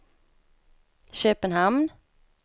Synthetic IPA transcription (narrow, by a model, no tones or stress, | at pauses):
ɕøːpənɦamn